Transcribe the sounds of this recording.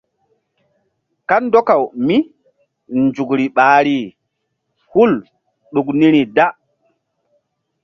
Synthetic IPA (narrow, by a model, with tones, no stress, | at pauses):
ka˦ndo˦ka˨wmi˦ | nd͡ʒu˨kɾi˨ɓaː˨ɾi˨ | hu˦l | ɗu˨kni˦ɾi˨da˦